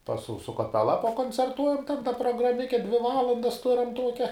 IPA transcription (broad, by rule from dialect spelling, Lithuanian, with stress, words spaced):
pɐs sʊ sʊ kɐˈpʲæːlˠɐ pɐkoːnʲt͡sʲɛrˈtuɔjɛm tɐɪp dɐ proːɡrɐˈmʲɪkʲɛ dʲʋʲɪ ˈʋɑːlˠɐndɐs ˈtʊrɐm ˈtuɔkʲɛ